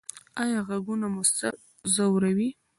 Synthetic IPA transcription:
ajɑɣaɡunamʊst̪a | zawɾawi

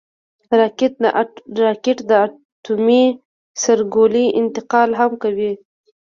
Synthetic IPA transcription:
ɾɑkɪt̪̚na̰ɾɑkɪʈd̪əa | tumi | saɾɡoliʔɪnt̪ɪqɑlɦamkawi

